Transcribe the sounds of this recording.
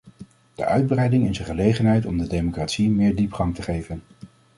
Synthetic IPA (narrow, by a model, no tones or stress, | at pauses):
d̥ə̰ʔœɥd̚brɛjdɪŋɪzəχəlejχənɦɛjtɔmdədejmokraːtsimɪːɹdipχɑŋtəχejvən